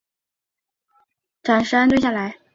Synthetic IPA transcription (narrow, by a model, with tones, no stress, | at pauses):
ʈ͡ʂa˨˩nʂɻ̩˥a˥nt̪wɕja˥˩la˧˥ɪ